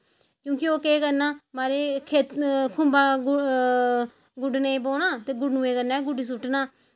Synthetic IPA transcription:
kjõːkioːkeːkəɾnaːmaːɾeːkʰeːt̪kʰʊmbaː | ɡʊɖneːboːnaːt̪eːɡʊɖnuːeːkəɾneːɡʊɖiːs̬ʊʈːnaː

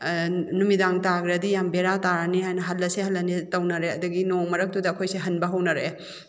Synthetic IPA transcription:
numidaŋtaɡɾɐdijambeɾataɾɐnihajnɐɦɐlːɐseɦɐlːɐnitɐwnɐɾeɐduɡinoŋmɐɾɐk̚tudɐːkʰojseɦɐnbɐɦɐwnɐɾe

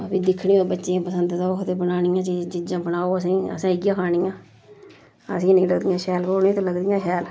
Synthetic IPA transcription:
əpĩːd̪ɪkʰːɳĩːoːbətːʃẽːpəsənd̪t̪aːʊkʰt̪eːbənaːɽ̃iːãːt͡ʃiːd͡ʒd͡ʒɪd͡ʒãːbəɽaːoːəs̬ĩːə̰sãːɪɡjãːkʰaːɽ̃iːãː | əsĩːnəĩːləɡd̪ijãːʃɛːlpoːnĩːt̪õːləɡd̪ijãːkʰɛːl

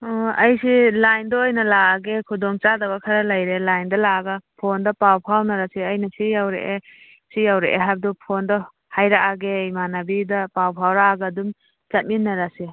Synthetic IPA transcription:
ɔɐjsilajndɔojnɐlaːɡekʰudɔŋt͡ʃadɐɡakʰaɾalajɾelajndɐlaːɡapʰondɐpawpʰawnaɾasiɐjnasijawɾḛʔe | sijawɾḛʔḛɦab̚dɔpʰondɔ | hajɾaʔaɡejmanabidɐpawpʰawɾaːɡadum | t͡ʃat̚minːaɾasi

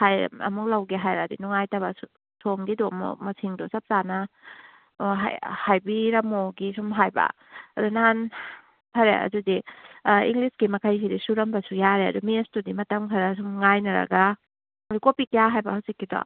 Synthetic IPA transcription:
hajɐ̰muk̚lawɡeɦajɾadinuŋajtɐbasu | sʰomɡidɔmɔ̰mɐsiŋdɔsɐp̚zanɐ | ɦa̰hajbiɾɐmoɡisumɦajba̰ | ɐdunan | pʰɐɾḛɐ̰dudiḭŋlisɡimɐkʰajs̬idisuɾɐmbɐsujaɾeɐ̰dumistudimɐtɐmkʰaɾas̬umŋajnɐɾɐ̰ɡa | ɐdikopikijaɦajbɐhawsikːidɔ̰

